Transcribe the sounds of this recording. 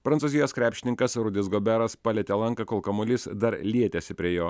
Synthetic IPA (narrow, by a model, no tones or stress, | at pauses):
pɾɐnsuːzʲɪjoːskɾʲæːpʲʃʲɪnʲɪŋkɐsɾʊd̪ʲɪsɡoːbʲæɾɐspɑːlʲɛt̪ʲɛlˠɐŋkɐkoːlˠkɐmʊlʲɪsd̪ɐɾlʲiɛt̪ʲɛsʲɪpʲɾʲiɛjoː